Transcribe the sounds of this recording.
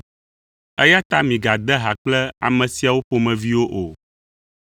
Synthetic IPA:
ɛ˦ja˦t̪a˦mĩ˨ɡa˨d̪ɛ˦ɦa˨k͡plɛ˦a̰˨mɛ̃˨si˨a˨wo˦po˨mɛ̃˨vi˦wo˦ʔo˨

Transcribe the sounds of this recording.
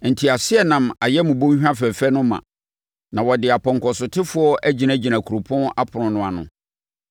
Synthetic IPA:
n̩˨tʰi˨a˨sɪ˦ɛ˦nã˨ma˨jɛ˦mũ˨bõ˦hᶣã˦fɛ˨fɛ˦nʊ̃˦mã̰˨ | nã˨wɔ˨dɪ˨a˨pʰɔ̃˨ŋ˨kʰɔ˨sʊ˨tʰɪ˦fʊ˦ɔ˦ʔæ˦d͡ʑi˨nã˦d͡ʑi˨nã˨kʰu˨ɾo˨pʰɔ̃˦na˦pʰʊ˨nʊ̃˨nʊ̃˨a˨nʊ̰̃˨

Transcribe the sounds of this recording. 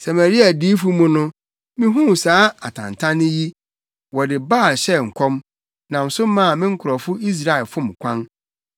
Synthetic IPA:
sa˨mæ˨ɾi˦a˨di˦fu˦mũ˦nʊ̃˦ | mɪ̃˦ɦũ˦˨saː˨˦a˨tʰã̰˨n˨tʰã˦nɪ̃˦ji˦ | wɔ˨dɪ˨ba˦˨lɕɛ˦ŋ̩˨kʰɔ̃˦m | nã˨n̩˨sʊ˦mã˦˨mɪ̃˦ŋ̩˦kʰʊ˨ɾɔ˨fʊ˦i˦s̬ɾa˨ɛ˨lfʊ̃˦˨mkʷʰã˦n

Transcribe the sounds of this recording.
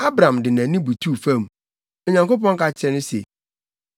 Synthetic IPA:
a˦bɾã˨mdɪ˨nã˨˦nĩ˦bu˨tʰu˦˨fã˦m˨ | o˨ɲã˨ŋko˦p̬ɔ̃˦ŋka˦˨t͡ɕʰɛ˦nʊ̃˦sḛ˨

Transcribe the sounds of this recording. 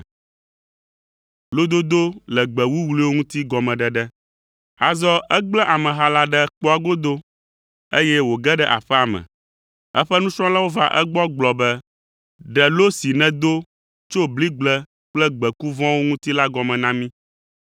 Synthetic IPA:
lo˦d̪o˦d̪o˦lɛ˨ɡ͡bɛ˨wu˦wli˦wo˦ŋũ˦t̪i˦ɡɔ˨mɛ̃˨ɖɛ˨ɖɛ˦ | a˨zɔ˦ɛ˦ɡ͡blɛ˦ʔa˨mɛ̃˨ɦa˦la˦ɖɛ˦k͡pɔ˦a˨ɡo˦d̪o˦ | e˦jɛ˦wo˨ɡɛ˦ɖɛ˦ʔa̰˨ɸɛ˦a˨mɛ̰̃˨ | ɛ˦ɸɛ˦nũ˦t͡ʃɾɔ̃˦la˦wo˦va̰˦ʔɛ̰˦ɡ͡bɔ˦ɡ͡blɔ˨bɛ˦ | ɖɛ˨lo˦si˨nɛ̃˨d̪o˦ | t͡ʃo˦bli˦ɡ͡blɛ˦ | k͡plɛ˦ɡ͡bɛ˨ku˦vɔ̃˦wo˦ŋũ˦t̪i˦la˦ɡɔ˨mɛ̃˨nã˦mĩ˦

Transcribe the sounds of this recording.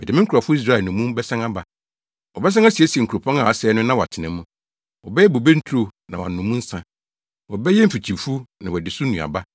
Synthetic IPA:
mɛ˨dmɪ̃˦ŋ̩˦kʰu˨ɾa˨fʊ˦i˦s̬ɾa˦˨ɛ˨nʊ̃˨˦mũ˦m˦bɛ˦sã˦ŋa˦ba˨ | wɔ˨bɛ˦s̬ã˦ŋa˦si˨e˦si˨e˨ŋ̩˨kʰu˨ɾo˨pʰɔ̃˦ŋa˨a˨sɛː˨˦nʊ̃˦nã˦wɔ˨a˨tʰɪ˨nɛ̃˨mũ˦ | wɔ˨bɛ˦jɛ˦bo˨be˦n̩˦tʰɾo˦nã̰˨wa̰˨n˨ʊ̃˨mũ˦n̩˦sã˦ | wɔ˨bɛ˦jɛ˦m̩˦fi˨t͡ɕʰi˨fu˦nã˨wɔ˨dɪ˨sʊ˦nũ˨a̰˨ba˦

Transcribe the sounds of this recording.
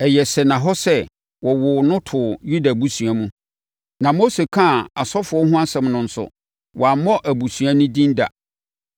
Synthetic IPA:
ɛ˨jɛ˨sɛ˨nã˨ɦɔ˦sɛ˦ | wɔ˨wʊ˨nʊ̃˦tʰʊ˨ju˦da˨bu˦su˨a˨mũ˦ | nã˨mo˦se˨kʰã˦˨a˨sɔ˦fʊ˨ɔ˦ɦʊ̃˦a˦sɛ̃˨mnʊ̃˨n̩˨sʊ̰˨ | wʔɔ˨a˨˦mɔ̃˦ʔæ˨bu˨sɥa˦nʊ̃˦dĩ˦n˦da̰˨

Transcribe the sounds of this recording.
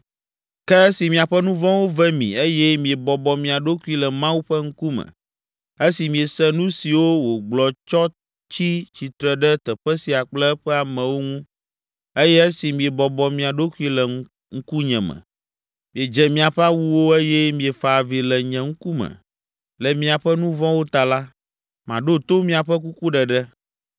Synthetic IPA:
kɛ˦si˨mĩ˨a˨ɸɛ˦nũ˦vɔ̃˦wo˦vɛ˦mḭ̃˨e˦jɛ˦mĩ˨e˨bɔ˨bɔ˨mĩ˨a˨ɖo˦ku˦i˦lɛ˨mã˦wu˦ɸɛ˦ŋ̩˦ku˦mɛ̰̃˨ | e˦si˨mĩ˨e˨sɛ˦nũ˦si˨wo˦wo˨ɡ͡blɔ˨t͡ʃɔ˦ | t͡ɕi˦t͡ɕi˨t̪ɾɛ˨ɖɛ˦t̪ɛ˨ɸɛ˦si˨a˨k͡plɛ˦ɸɛ˦a˨mɛ̃˨wo˦ŋũ˦ | e˦jɛ˦e˦si˨mĩ˨e˨bɔ˨bɔ˨mĩ˨a˨ɖo˦ku˦i˦lɛ˨ | ŋ̩˦ku˦ɲɛ̃˨mɛ̰̃˨ | mĩ˨e˨d͡ʒɛ˨mĩ˨a˨ɸɛ˦a˦wu˦wo˦e˦jɛ˦mĩ˨e˨fa˨vi˨lɛ˨ɲɛ̃˨ŋ̩˦ku˦mɛ̰̃˨ | lɛ˨mĩ˨a˨ɸɛ˦nũ˦vɔ̃˦wo˦t̪a˨la˦ | mã˨ɖo˦t̪o˦mĩ˨a˨ɸɛ˦k̬u˦ku˦ɖɛ˨ɖɛ˦

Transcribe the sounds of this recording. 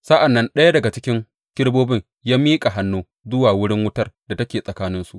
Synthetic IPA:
saː˦ʔa˨nːɐ˦nɗɐ˦ja˦dɐ˨ɡa˨t͡ʃɪ˦kʲɪ˦ŋ | kʲɪ˦ɽboː˦bɪ˦ŋ | jaː˦mːiː˦kʼa˨ɦa˨˦nːuː˦ | zʊ˦waː˨wʊ˦ɽɪ˦ŋwʊ˦tɐ˦rda˨tɐ˦kʲeː˨sʼɐ˨kaː˦nɪ˦nsu˨ʔ

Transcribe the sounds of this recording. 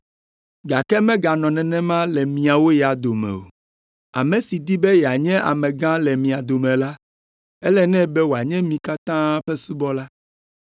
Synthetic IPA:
ɡa˨kɛ˦mɛ̃˦ɡa˨nɔ̃˨nɛ̃˨nɛ̃˦mã˦lɛ˨mĩ˨a˨wo˦jɛ˨a˨d̪o˨mɛ̰˨o̰˨ | a̰˨mɛ̃˨si˨d̪i˦bɛ˦jɛ˨a˨ɲɛ̃˦ʔa̰˨mɛ̃˨ɡã˦lɛ˨mĩ˨a˨d̪o˨mɛ̃˨la˦ | ɛ˦lɛ˦nɛ̃˦bɛ˦wo˨a˨ɲɛ̃˦mĩ˨ka˦t̪ã˦ɸɛ˦su˦bɔ˦la˦

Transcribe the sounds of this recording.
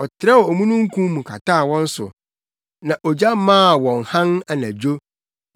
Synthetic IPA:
ɔ˨tʰɪɾa˦wɔ˨ɔ˨mũ˦nũ˦ŋ̩˦kʰũ˦mũ˨kʰa̰˨tʰaː˦˨wɔ̃˦n̩˦sʊ̰˨ | nã˨ʔɔ˨d͡ʑa˦mãː˦˨wɔ̃˨ŋ˨hã˦na˨nã˨d͡ʑo˦

